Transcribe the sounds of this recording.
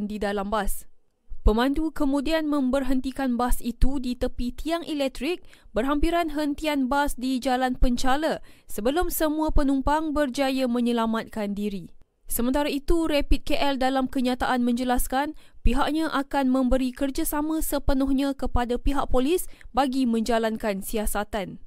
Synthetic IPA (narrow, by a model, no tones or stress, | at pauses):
ndidalambas | pəmãndukəmũdianmə̃mbərɦənt̪ikanbasit̪udit̪əpit̪iaŋʔɛlɛk̚t̪ɾik̚bərɦampiɾanɦənt̪ianbasdid͡ʒalanpəɲt͡ʃaləsəbəlʊmsəmũapənũmpaŋbərd͡ʒajəmə̃ɲəlamat̪̚kandiɾi | səmə̃nt̪aɾait̪uɾepit̪̚keʔɛldalamkəɲãt̪aʔanmə̃ɲd͡ʒəlaskanpiɦaʔ̚ɲãʔakanmə̃mbəɾikərd͡ʒasamə̃səpənɔhɲãkəpadapiɦaʔ̚polisbaɡimə̃ɲd͡ʒalankansiasat̪an